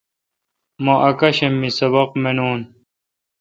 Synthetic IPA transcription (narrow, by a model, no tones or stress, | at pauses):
mɐ̃ʔɐkɐɕemːisɐbɐqmenoːn